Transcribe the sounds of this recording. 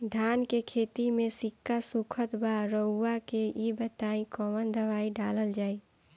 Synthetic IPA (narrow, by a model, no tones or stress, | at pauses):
d̪ʱaːnkekʰet̪imẽsɪkːasukʰət̪baɾəːakeibət̪aĩkɔmənd̪əʋaːiɖaləld͡ʒaːi